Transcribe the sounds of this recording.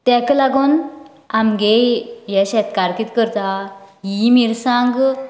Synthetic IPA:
t̪ɛ̃klaɡon | amɡejjɛɕɛt̪kaɾkit̪kəɾt̪a | ɦimiɾsãŋɡ

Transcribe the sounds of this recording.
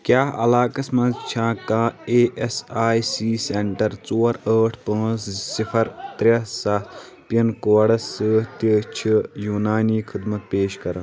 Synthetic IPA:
kjaːɐ̰laːkɐsmɐnzt͡ʃʰãːkãːeːʔesaːjsiːseɳʈɐɾt͡soːɾəːʈʰpə̃ːssipʰɐɾt̪ɾɐsɐt̪ | pɐnkoːɽɐsɨt̪it͡ʃʰijuːnaːniːkʰid̪mɐt̪̚peːʃkɐɾɐn

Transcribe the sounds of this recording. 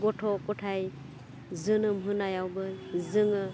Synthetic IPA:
ɡɔtʰɔkɔtʰaj | zɯnɯmɦɯnajawbɯzɯŋɯ

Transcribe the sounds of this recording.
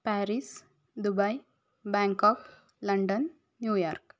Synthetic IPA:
pæɾis | d̪ubaj | bɛ̃ːŋkɔk | lɐɳɖənː | juːjaɾk

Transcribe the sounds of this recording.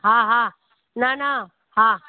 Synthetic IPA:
ɦãɦa | nana | ɦa

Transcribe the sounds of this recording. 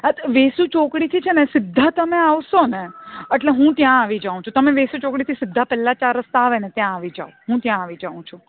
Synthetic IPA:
ət̪ʋesut͡ʃokɽit̪ʰit͡ʃʰenesɪd̪ʱːat̪əmeaʋʃoneeʈleɦũt̪jãaʋid͡ʒaũt͡ʃʰut̪əmeʋesut͡ʃokɽit̪ʰisɪd̪ʱːapɛlːat͡ʃaɾəst̪aʋenet̪jãːʋid͡ʒa̰oɦũt̪jãːʋid͡ʒaũt͡ʃʰũ

